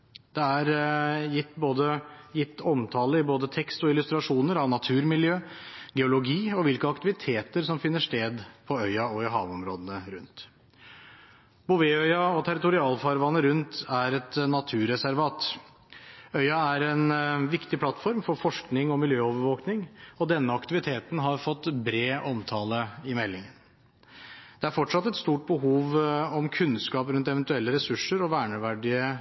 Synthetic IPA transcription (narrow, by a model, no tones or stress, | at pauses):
d̪̥ɛæɾjɪt̪ːboːd̪əjɪt̪ːɔmt̪ʰɑːləɪboːd̪ət̪ʰɛkst̪ɔɪlʉst̪ɾɑʂuːnəɾɑʋnɑt̪ʰʉːɾmɪljøːɡɛʊlʊɡiːɔʋɪlkəɑkt̪ɪʋɪt̪ʰeːt̪əɾsɔmfɪnːəʂt̪eːd̪pʰɔœʏɑɔɪɦɑ̰ːʋɔmɾo̰ːd̪ənəɾʉ̰nt̪ | bʊʋeːœʏɑɔt̪ʰæɾɪt̪ʊɾɪɑːlfɑɾʋɑnəɾʉnt̪æɾɛt̪nɑt̪ʰʉːɾɛsæɾʋɑːt̪ | œʏɑæɾɛnʋɪkt̪ɪpʰlɑt̪ːfɔɾmfɔɾfɔʂknɪŋɔmɪljøːɔːʋəɾʋoːknɪŋɔd̪ɛnːəɑkt̪ɪʋɪt̪ʰeːt̪n̩ɦɑɾfɔt̪ːbɾeːʔɔmt̪ʰɑːləɪmɛlːɪŋən | d̪̥ɛæɾfɔʈʂɑt̪ːɛt̪st̪uːʈ̚bəɦuːʋɔmkʰʉnskɑːpɾʉnt̪ɛʋɛnt̪ʉɛlːəɾɛsʉʂəɾɔʋæːɳəʋæɖɪə